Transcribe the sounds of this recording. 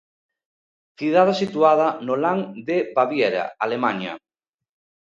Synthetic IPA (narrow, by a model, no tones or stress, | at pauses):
θiðaðesit̪uað̞anolaŋd̪ebaβjeɾa̰alemaɲa̰